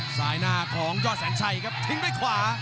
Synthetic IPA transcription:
saː˩˦jnaː˧kʰɔː˩˦ŋjɔː˥˩t̪̚sɛː˨˩˦ŋt͡ɕʰa˧jkʰa˦˥p̚t̪ʰɯ˨˦ŋdaː˥˩jkʰwaː˩˦

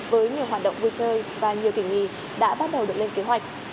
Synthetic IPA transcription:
vəː˨˦jɲi˨˩əwɦwaː˨˩t̚ɗə̰˧˨wŋ͡mvu˧jt͡ɕəː˧jvaː˨˩ɲi˨˩əwk̪ï˧˩ŋŋḭ˧˨ | ɗa̰ː˧˥ɓaː˦˥t̚ɗə˨˩wɗɨ˨˩ək̚le˧nke˨˦ɦwa˨˩k̚

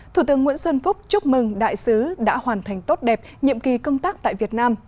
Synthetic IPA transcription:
t̪ʰu˧˩t̪ɨ˨˦əŋwḭ˧˥nswə˧nfʊ˦˥k͡p̚t͡ɕʊ˦˥k͡p̚mɨ˨˩ŋɗa̰ː˧˨jsɨ˨˦ɗa̰ː˧˥hwaː˨˩nt̪ʰa˨˩jŋ̟t̪o˦˥t̚ɗɛ˨˩p̚ɲḭ˧˨əmki˨˩kə˧wŋ͡mt̪aː˦˥k̚t̪a̰ː˧˨jvi˨˩ət̚naː˧m

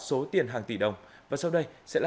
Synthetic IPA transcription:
so˨˦t̪i˨˩ənɦaː˨˩ŋt̪i˧˩ɗə˨˩wŋ͡mvaː˨˩sa˧wɗə˧jsɛ̰˧˥l

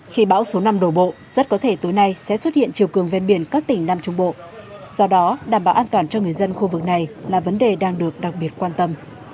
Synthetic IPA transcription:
xi˧ɓa̰ː˧˥wso˨˦na˧mɗo˧˩ɓo̰˧˨ | z̥ə˦˥t̚kɔ˨˦t̪ʰe˧˩t̪u˨˦jna˧jsɛ̰˧˥swə˦˥t̚hḭ˧˨ənt͡ɕi˨˩əwkɨ˨˩əŋve˧nɓi˧˩ənkaː˦˥k̚t̪ï˨˩ŋ̟naː˧mt͡ɕʊ˨˦ŋ͡mɓo̰˧˨ | z̥ɔ˧ɗɔ˨˦ɗaː˧˩mɓaː˨˩wʔːnt̪waː˨˩nt͡ɕɔ˧ŋɨ˨˩əjzə˧nxu˧vɨ˨˩k̚na˨˩jlaː˨˩və˨˦nɗe˨˩ɗaː˧ŋɗɨ˨˩ək̚ɗa˨˩k̚ɓi˨˩ət̚kwaː˧nt̪ə˧m

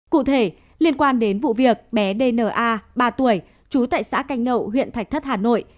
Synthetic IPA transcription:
kṵ˧˨t̪ʰe˧˩ | li˧ənkwaː˧nɗe˨˦nvṵ˧˨vi˨˩ək̚ɓɛ˨˦ɗe˧nəː˧˩ʔaː˧ɓaː˧t̪u˧˩əj | t͡ɕu˨˦t̪a̰ː˧˨jsa̰ː˧˥ka˨˦jŋ̟nə̰˧˨wɦwḭ˧˨ənt̪ʰa˨˩k̚t̪ʰə˦˥t̚haː˨˩no̰˧˨j

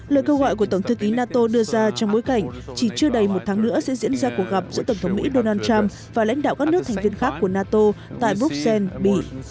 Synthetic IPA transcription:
lə̰ː˧˨jkə˧wɣɔ̰˧˨jku˧˩ət̪ə˧˩wŋ͡mt̪ʰɨ˨˦ki˨˦naː˧t̪o˧ɗɨ˧əzaː˧t͡ɕɔ˧wŋ͡mɓo˨˦jka˧˩jŋ̟t͡ɕi˧˩t͡ɕɨ˧əɗə˨˩jmo˨˩t̚t̪ʰaː˨˦ŋnɨ̰˧˥əsɛ̰˧˥zḭ˧˥ənzaː˧ku˨˩ək̚ɣa˨˩p̚z̥ɨ̰˧˥t̪ə˧˩wŋ͡mt̪ʰwŋ͡mmḭ˧˥ɗo˧naː˧nt͡ɕaː˧m | vaː˨˩la̰˧˥jŋ̟ɗa̰ː˧˨wkaː˦˥k̚nɨ˦˥k̚tʰa˨˩ŋ̟vi˧ənxaː˦˥kkːu˧˩ənaː˧t̪o˧t̪a̰ː˧˨jɓu˦˥k̚sɛ˧nɓḭ˧˩˨

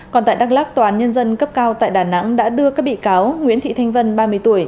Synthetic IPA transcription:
kɔ˨˩nt̪aː˧˨jɗa˦˥k̚laː˦˥k̚t̪wːaː˨˦nɲə˧nzə˧nkə˦˥p̚kaː˧wt̪a̰ː˧˨jɗaː˧˩na̰˧˥ŋɗa̰ː˧˥ɗɨ˧əkaː˦˥k̚ɓḭ˧˨kaː˨˦wŋwḭ˧˥ənt̪ʰḭ˧˨t̪ʰjŋ̟və˧nɓaː˧mɨ˧əjt̪u˧˩əj

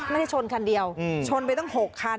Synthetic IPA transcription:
ma˥˩˧t͡ɕʰo˧nkʰa˧ndi˧əwt͡ɕʰo˧np̬a˧jt̪ɔ˥˩ŋɦo˨˩kʰːa˧

